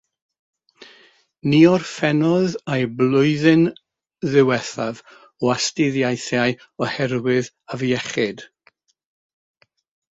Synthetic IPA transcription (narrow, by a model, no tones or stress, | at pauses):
niːɔrfɛnɔðajblˠʊɨðɨn | ðɪwɛθav | ɔastɪðjajθjaj | ɔhɛɾwɪð | aviɛχɪd̥